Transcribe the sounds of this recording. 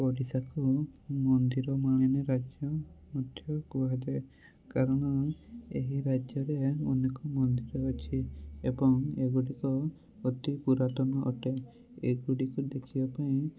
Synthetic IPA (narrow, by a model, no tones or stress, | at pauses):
pɔɽisakumɔnd̪iɾɔmaɽ̃eneɾad͡ʒjɔmɔt̪ʰːjɔkuad̪e | kaɾɔɽ̃ɔḛɦiɾad͡ʒjɔɾeɔnekɔmɔnd̪iɾɔːt͡ʃʰiebɔŋeɡuɽikɔ | ot̪ipuɾaʈɔnɔʔɔ̰ʈe | eɡuɽikud̪ekʰibapaĩ